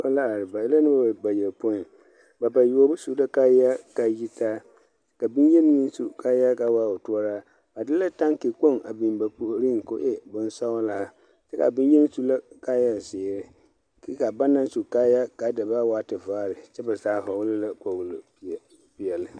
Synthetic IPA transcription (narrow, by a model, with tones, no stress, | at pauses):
a˦la˦a˨ɾɪ˨ba˨ɛ˦la˦nɪ˦ba˦a˨ba˨jɛ˨lpo˦ɪ˨ | ba˨ba˨ju˨o˦bʊ˦su˦la˦ka˦ja˦ka˨ji˦taː˦ | ka˨bi˦njɛ˦n˦ŋi˦su˨ka˦ja˦ka˨˦waː˦˨o˨tu˦ɔ˦ɾaː˦ | ba˨dɪ˦la˦ta˦ŋke˨k͡po˦˨ŋa˨bi˨nba˨pu˨ʔɾi˦ŋ˨ko˦ʔɛ˦bʊ˦n˦sa˦wla˨˦˨ | tɛ˦ka̰˨bi˦n˦jɛ˦n˦su˦la˦ka˦ja˦˨zɪː˨ɾɪ˦ | ke˦ka˨ba˦na˦nsu˨kaː˦ja˦ka˨˦da˨ba˦waː˦tɪ˨vaː˦˨ɾɪ˨t͡ʃɛ˦ba˨zaː˨˦˨ɦa˨wʊ˦lɪ˦la˦ka˨wu˨l | pi˨ɛ˨lɪ˨